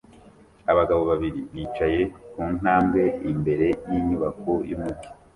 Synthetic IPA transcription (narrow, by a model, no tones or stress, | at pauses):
aβaɡaβo̞βaβiɾiβiːt͡ʃaje̞kuːn̥aːmbɡe̞imbe̞ɾe̞jiɲuβako̞jumuɡu